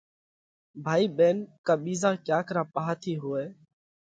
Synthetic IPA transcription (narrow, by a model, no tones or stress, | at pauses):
bʱaːiːɓeːnkãːɓiːzãːkjaːkəɾãːpaːɦaːt̪ʰiːɦoːeː